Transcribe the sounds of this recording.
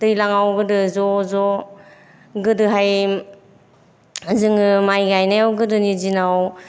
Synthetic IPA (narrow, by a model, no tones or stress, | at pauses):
dɯjlaŋawɡɯdɯzɔzɔ | ɡɯdɯɦaj | zɯŋɯmajɡajnajawɡɯdɯnizinaw